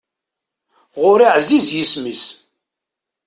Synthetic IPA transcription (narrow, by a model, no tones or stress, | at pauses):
ʁʊɾiʕzizjismis